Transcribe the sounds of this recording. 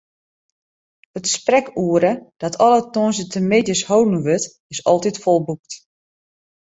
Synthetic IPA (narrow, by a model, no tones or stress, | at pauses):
ətsprɛkuəɾəd̥ɔtʰɔlˠətonsətʰəmɪdjəshowdn̩ʋøt | ɪsɔlˠtitfɔlˠbuk̚t